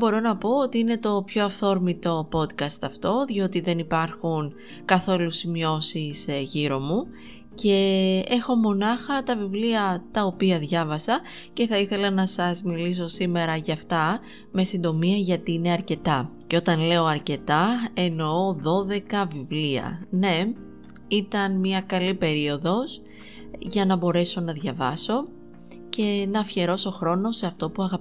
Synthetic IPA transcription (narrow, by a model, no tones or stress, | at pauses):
bo̞ɾo̞nɐpo̞ot̪iine̞t̪o̞pço̞ɐfθo̞ɾmit̪o̞po̞t̪kɐst̪ɐft̪o̞ðijo̞t̪iðe̞nipɐɾxun | kɐθo̞lusimio̞sisʝiɾo̞mu | ce̞e̞xo̞mo̞nɐxɐt̪ɐvivliɐt̪ɐopiɐðʝɐvɐsɐ | ce̞θɐiθe̞lɐnɐsɐzmilis̬o̞sime̞ɾɐʝɐːft̪ɐ | me̞sind̪o̞miɐʝɐt̪iːne̞ɐɾce̞t̪ɐceo̞t̪ɐnle̞o̞ɐɾce̞t̪ɐe̞no̞oðo̞ðe̞kɐvivliɐ̰ne̞ | it̪ɐnmiɐkɐlipe̞ɾio̞ðo̞s | ʝɐnɐbo̞ɾe̞so̞nɐðʝɐvɐso̞ | ce̞nɐfçe̞ɾo̞so̞xɾo̞no̞se̞ɐft̪o̞puɐɣɐp